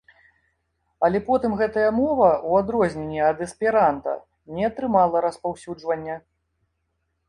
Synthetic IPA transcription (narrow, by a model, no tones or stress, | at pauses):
ɐlʲɛpɔt̪ɨmɣɛt̪ɐjɐmɔvɐʔuad̪ɾɔzʲnʲɛnʲːiɐd̪ɛspʲɛɾant̪ɐ̰ | nʲɛɐt̪ɾɨmalˠɐɾɐspawsʲud͡ʐvɐnʲːɐ